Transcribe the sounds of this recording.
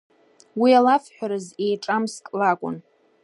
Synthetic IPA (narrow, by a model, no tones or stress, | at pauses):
wialafħʷᶣaɾɨzejʈ͡ʂʼamskʼlakʷʼʊ̰n